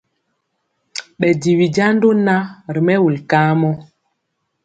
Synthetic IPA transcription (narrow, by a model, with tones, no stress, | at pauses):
ɓɛ˨di˨wi˨d͡ʒa˦n˦do˦na˦ɾi˨mɛ˦wu˨lkaː˦mɔ˦